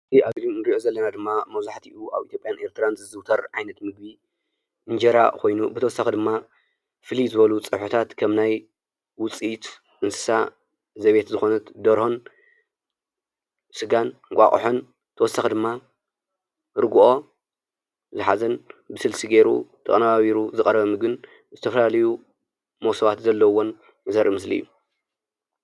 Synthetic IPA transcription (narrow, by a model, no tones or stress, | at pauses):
ɨziadɾinɨɾiʔozɐlːɐnad̪ɨmːamɐβzaħt̪ʰiʔuʔa̰βʔit̪jopʼjanʔe̞ɾt̪ʰɨɾanzɨzɨwt̪ʰɐɾʕajnɐt̪mɨɡ̚bi | ʔɨnd͡ʒɐɾa̰kʰo̞jnubɨt̪ʰɐwɔsːɐxid̪ɨmːa | fɨlizɨβɐlut͡sʼɨħut̪ʰat̪kʰɐmnaj | wʊt͡sʼit̪ | ʔɨnsɨ̥sa | zɐβe̞t̪zɨxo̞nɐt̪d̪ɐɾhon | sɨɡankʷʼa̰χʼħon | t̪ʰɐwɔsːɐxid̪ɨmːa | ɾɡuʔo̞ | zɨħazɐnbɨsɨlsiɡe̞ɾṵt̪ʰɐ̰kʼɐnaβaβiɾuzɨkʼɐɾɐβɐmɨɡɨn | zɨt̪ʰɐfɐlalɐju | mowsɐβat̪zɐlːɐwːo̞n | jɨzɐɾʔimɨslḭjːu